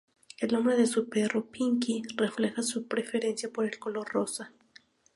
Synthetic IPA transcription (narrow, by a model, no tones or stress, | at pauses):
e̞lo̞mbɾeðe̞supero̞piŋkire̞fle̞xasupɾe̞fe̞ɾe̞nsjapoɾe̞lko̞lo̞rro̞sa